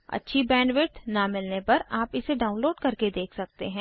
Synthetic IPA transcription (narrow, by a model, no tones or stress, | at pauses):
ɐ̰tːʃʰibɛ̃ːɳɖʋɪʈnamɪlnepɐɾaːpɪseɖaːʊ̃nloːɖkɐɾked̪eːkʰsɐk̚t̪eɦɛ̃ː